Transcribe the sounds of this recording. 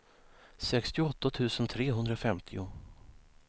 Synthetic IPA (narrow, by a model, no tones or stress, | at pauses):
sɛkst̪ɪɔt̪ːat̪ʰʉ̟ːsənt̪ʰɾeːɦɵnd̪ɾafɛmt̪ʰɪʊ